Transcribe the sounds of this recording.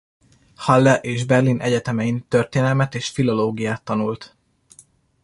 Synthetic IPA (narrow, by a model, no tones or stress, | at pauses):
hɒlːɛʔeːʒbɛrlinʔɛɟɛt̪ɛmɛint̪ørt̪eːnɛlmɛt̪eːʃfilo̞loːɡijaːt̪ːɒnult̪